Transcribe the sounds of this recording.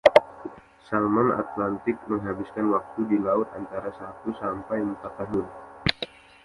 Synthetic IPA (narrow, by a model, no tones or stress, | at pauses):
salmana̰t̪lant̪ɪk̚məŋɦabiskanwak̚t̪udilaʊt̪ant̪aɾasat̪usampajməmpat̪aɦʊn